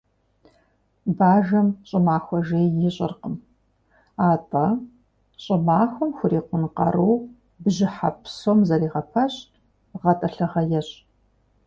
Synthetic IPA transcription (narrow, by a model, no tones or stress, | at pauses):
baːʒɐmɕʼɪmaːxʷɔʒeːjɪɕʼɪ̰rqəm | aːtʼɐ | ɕʼɪmaːxʷɔmxʷʊɾiːqʷʊnqɐ̰ruw | bɨʑɪħapʰsoːmzɐɾiːʁɐpʰɐɕt | ʁɐtʼɐɬɐʁɐjɛɕʼ